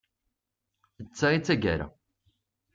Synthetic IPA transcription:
ət͡sːait͡sːæɡæ̰ɾa̰

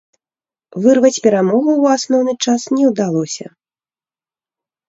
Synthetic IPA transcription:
vɨrvɐt͡sʲpʲɛɾamɔɣuːasnɔwnɨt͡ʂasnʲɛwd̪alˠɔsʲɐ̰

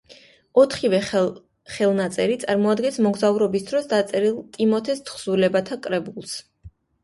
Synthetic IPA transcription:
ɔt̪ʰχivɛ | χɛlˠnat̪sʼɛɾit̪sʼaɾmɔad̪ɡɛnsmɔɡzauɾɔbisd̪ɾɔsd̪at̪sʼɛɾilˠt̪ʼimɔt̪ʰɛst̪ʰχz̥ulɛbat̪ʰakʼɾɛbulˠs

